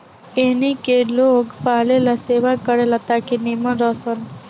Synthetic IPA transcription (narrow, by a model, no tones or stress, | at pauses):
enikelokpalelaseːʋakəɾelat̪akiniməɾəsən